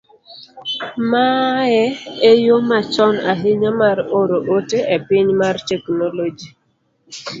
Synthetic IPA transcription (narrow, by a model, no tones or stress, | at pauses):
maɛejomat͡ʃɔnaɦɪɲamaɾoɾoʔoteepɪɲmartɛknolod͡ʒi